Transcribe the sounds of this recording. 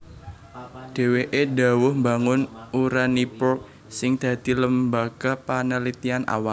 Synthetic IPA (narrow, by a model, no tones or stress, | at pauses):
ɖ̥e̤weʔeɖa̤wʊhmbaŋʊnuɾanipʊrk̚ | sɪŋd̪̥ä̤d̪̥i̤ləmbaɡ̥a̤panəlit̪ianʔa̰wal